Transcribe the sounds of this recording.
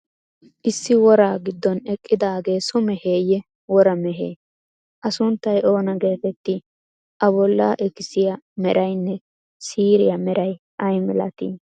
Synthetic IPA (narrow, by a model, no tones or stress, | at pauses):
ʔɪsːɪwɔɾaːɡɪd̪ːɔnɛkʼːɪd̪aːɡe̞ːsʊmɛheːjɛ | wɔɾɐmɛɦḛː | ʔɐsʊnt̪ːɐjʔo̞ːnɐɡe̞ːfɛt̪ːɪ | ʔɐbɔlːaʔɛkɪsɪjamɛɾʔɐjnːɛ | siːɾɪjɐmɛɾɐj | ʔɐjmɪlɐ̰t̪i